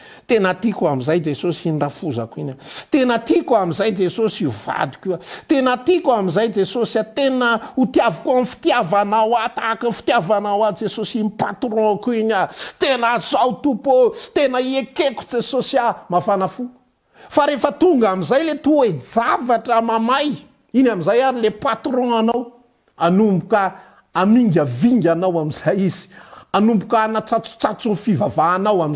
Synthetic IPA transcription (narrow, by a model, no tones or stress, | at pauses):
t̪enət̪ikuamizajd͡zesosinrafuza̰kuinʲat̪enət̪ikamizajd͡zesosiva̰d̪i̥kʲuat̪enət̪ikamizajd͡zesosat̪enəut̪iavukuamfi̥t̪iavanawat̪akəfi̥t̪iavanawad͡zesosimpat̪rɔ̃akuiɲat̪enazawt̪upot̪enəiekeku̥d͡zesosiamafanafu | faɾefət̪uŋɡamizajlet̪uwed͡zavaʈ͡ʂəmamaj | inamizajaɾilepat̪ɾɔ̃anaw | anumbuka | amiŋɡʲaviŋɡʲanawamiz̥ajizi̥anumbukanat͡sat͡su̥t͡sat͡sunfivavaːnawami